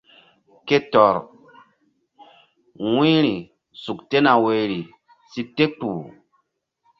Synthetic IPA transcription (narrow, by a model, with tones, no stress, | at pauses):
ke˦tɔ˨ɾ | wĩ˦ɾi˨ | su˨kte˦na˨we˨ɾi˨ | si˦te˦k͡pu˨